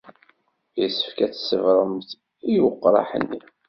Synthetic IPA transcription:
jəsə̥fkæt͡sːsəvɾˤəmθ | ijuqːɾˤɑ̰ħə̰nːi

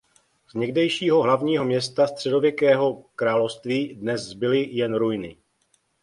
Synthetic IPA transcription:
zɲɛɡdɛjʃiːɦo̞ɦlavɲiːɦo̞mɲɛst̪ast̪r̝̥ɛdo̞vjɛkɛːɦo̞kɾaːlofst̪viːdnɛzzbɪlɪjɛnɾujnɪ

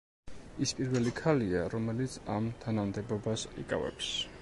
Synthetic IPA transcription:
ispʼiɾvɛlikʰaliaɾɔmɛlit̪sʰamt̪ʰanamd̪ɛbɔbasḭkʼa̰vɛ̰ps

